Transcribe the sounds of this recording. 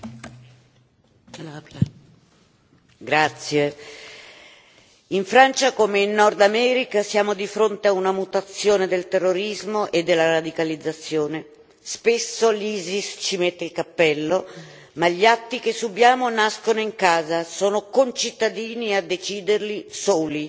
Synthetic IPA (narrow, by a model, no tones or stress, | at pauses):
ɡɾat̪sːje | iɱfɾant͡ʃakomeinːɔrd̪amɛːɾikasjaːmod̪ifɾont̪eaunamut̪at̪sːjoːned̪elt̪erːoɾizmoʔed̪ːelːaɾad̪ikalid̪zːat̪sːjoːne | spesːoliːzist͡ʃimet̪ːeilkapːɛlːo | maʎiat̪ːik̟esːubjaːmonaskonoiŋkaːzasoːnokont͡ʃit̪ːad̪iːniad̪ːet͡ʃiːd̪erlisoːli